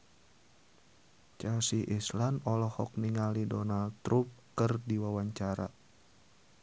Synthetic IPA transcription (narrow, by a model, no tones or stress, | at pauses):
t͡ʃasiʔislanɔlɔhɔk̚niŋalidɔnald̪̚t̪ɾup̚kɨrdiwawaɲt͡ʃaɾa̰